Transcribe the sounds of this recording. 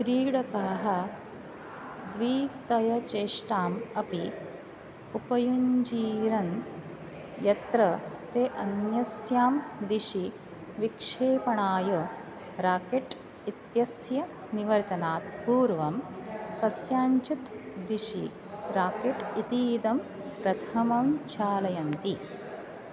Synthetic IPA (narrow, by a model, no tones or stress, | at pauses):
kɾiːɽɐkaːɦɐ | d̪ʋiːt̪ɐjɐt͡ʃeːʂʈaːmɐpi | upɐjuɲd͡ʒiːɾɐn | jɐt̪ɾɐt̪eːʔɐnjɐsjaːmd̪iʃi | ʋikʂeːpɐɳaːjɐ | ɾaːkeʈ | it̪jɐsjɐ | niʋɐɾt̪ɐnaːt̪̚puːɾʋɐmk̪ɐsjaːɲt͡ʃut̪d̪iʃḭ | ɾaːkeʈit̪iːd̪ɐm | pɾɐt̪ʰɐmɐmt͡ʃʰaːlɐjɐnt̪i